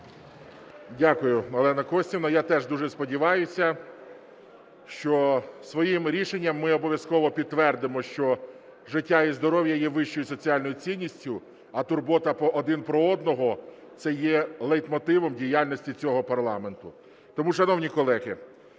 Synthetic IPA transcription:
dʲakʊjʊɔlˠɛnɐkɔsʲtʲinɐjat̪ɛʒd̪uʒɛspɔdʲiʋɑjʊsʲɐ | ʃt͡ʃɔsʋɔjimɾʲiʃenʲːɐmːɪɔbɔʋʲjɐskɔʋɔpʲid̪̚t̪ːʋɛrd̪ɪmɔʃt͡ʃɔ | ʒɪtʲːaizd̪ɔɾɔʋʲjɐjɛʋɪʃt͡ʃɔjʊsɔt͡sʲiɑlʲnɔjʊt͡sʲinʲːisʲtʲʊ | ɐt̪ʊrbɔt̪ɐpɔʔːd̪ɪnpɾɔɔd̪nɔɦɔ | t̪sɛjɛlˠɛjt̪mɔt̪ɪʋɔmdʲijalʲnɔsʲtʲit͡sʲɔɦɔpɐrlˠɑme̞nt̪ʊ | t̪ɔmuʃɐnɔwnʲikɔlˠɛɦɪ

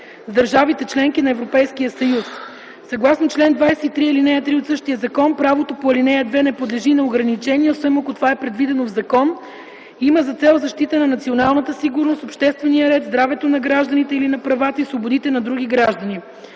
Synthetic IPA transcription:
zd̪əɾʒavit̪ɛt͡ʃlɛŋk̟inɐɛvɾopɛjskijəsɐjus | sɐɡlˠasnot͡ʃlɛnd̪vajsɛit̪ɾiilinɛjət̪ɾiot̪sɤʃt̪ijəzɐkɔnpɾavot̪opoɐlinɛjɐd̪vɛnɛpod̪lɛʒinɐoɡɾɐnit͡ʃɛniɛosvɛmokot̪ovaɛpɾɛd̪vid̪ɛnovzɐkɔn | iməzɐt̪sɛlˠzɐʃt̪it̪ənɐnɐt̪sionalˠnət̪əsiɡʊɾnost̪opʃt̪ɛst̪vɛnijəɾɛt̪zd̪ɾavɛt̪onɐɡɾaʒd̪ɐnit̪ɛilinɐpɾɐvat̪əisvobod̪it̪ɛnɐd̪ɾuɡ̟iɡɾaʒd̪ɐni

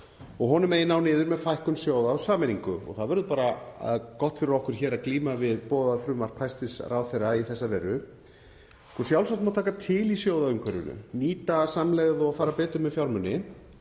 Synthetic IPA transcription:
ɔɣɦɔnʏmeːjɪnawnɪːðʏɾmɛðfajhkʏmsjoːwðaʏsaːmɛniŋkʏɔ̰ɣθaðvœɾðʏpaːɾakɔht̪fɪɾɪɾɔhkʏɾ̥çɛːɾaðkliːmavɪðpɔːðaðfɾʏːmaɾ̥r̥pʰajst̪ɪsrawθejraiθɛsːavɛɾʏ | skɔsjawlsawt̪mat̪ʰaːkat̪ʰɪlisjoːwðaʏmkʰɛɾʏ̰nʏ̰niːt̪asamlɛɣðɔafaːɾapɛːt̪ʏmɛfjawɾmʏnːɪ

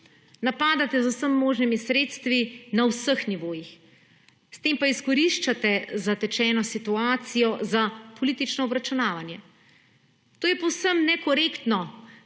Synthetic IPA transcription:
napaːd̪at̪ɛzuwsəmːoːʒnimisɾeːt̪st̪ʋinawsəxniʋoːjix | st̪eːmpaiskɔɾiʃt͡ʃat̪ɛzat̪ɛt͡ʃɛːnɔsit̪uaːt̪sijɔzapɔlit̪it͡ʃnɔɔbɾat͡ʃunaːʋanjɛ | t̪oːjɛpɔwsəmnɛkɔɾeːkt̪nɔ

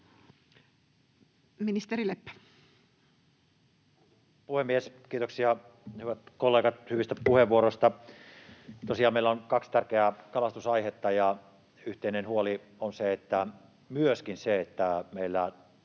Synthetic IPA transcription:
minist̪eɾilepːæ̥ | puhemːieskiːt̪oksiɑ | hyʋæt̪kolːeːɡɑt̪hyʋist̪æpuheʋʋuoɾost̪ɑ | t̪osiɑːmeˑilːæonkɑkst̪ærkeækɑlɑst̪usɑihet̪ːɑjɑ | yht̪einenhuoli | onseet̪ːæ | myøskinseet̪ːæmeilːæ

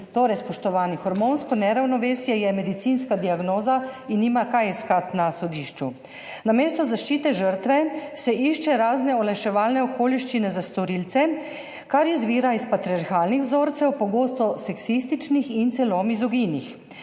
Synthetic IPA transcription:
t̪oːɾɛjspɔʃt̪ɔʋaːnixɔɾmonskɔnɛɾawnɔʋeːsjɛjɛmɛd̪it̪sinskad̪iaɡnoːzainːiːmakajɛskat̪nasɔd̪iːʃt͡ʃu | nameːst̪ɔzaʃt͡ʃiːt̪ɛʒəɾt̪ʋɛsɛʔiʃt͡ʃɛɾaːznɛɔlɛʃɛʋaːlnɛɔkoːliʃt͡ʃinɛzast̪ɔɾiːlt̪sɛ | kaɾjizʋiːɾaispat̪ɾiaɾxaːlnixwzoːɾt̪sɛwpɔɡoːst̪ɔsɛksist̪it͡ʃnixint̪sɛlomizɔɡinix

